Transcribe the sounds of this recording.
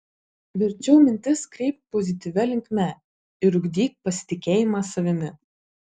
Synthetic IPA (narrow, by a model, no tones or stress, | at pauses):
ʋʲɪɾʲt͡ʃʲɛʊmʲɪnʲt̪ʲɪskɾʲɛɪp̚t̪̚pɔzʲɪt̪ʲiʋʲɛlʲɪŋʲkʲmʲɛ | ɪɾʊɡʲd̪ʲiːt̪̚ʲpɐsʲɪ̥t̪ʲɪkʲeːjɪmɑsɐʋʲɪmʲɪ